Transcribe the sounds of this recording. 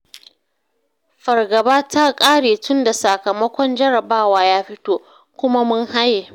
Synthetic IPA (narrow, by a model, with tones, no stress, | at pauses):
ɸɐ˨rɡɐ˨baː˦ta˦kʼaː˦ɽeː˨tʊ˦nda˨sɐ˨kɐ˨mɐ˦kʷɔ˦nd͡ʒɐ˦ɾɐ˨baː˦waː˦jaː˦ɸɪ˦toː˦ | kʷʊ˦ma˦mʊ˦ŋɦa˦jːeː˨